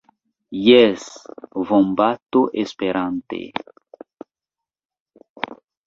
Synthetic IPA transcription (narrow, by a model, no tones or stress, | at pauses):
jɛsvombat̪oʔespeɾãnt̪ḛ